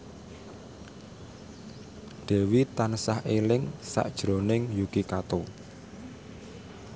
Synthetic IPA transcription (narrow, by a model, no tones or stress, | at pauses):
d̪̥ɛ̤wit̪ansahʔelɪŋsa̰ʔd̥ʒ̥ɾonɪŋjuɡ̥ikat̪o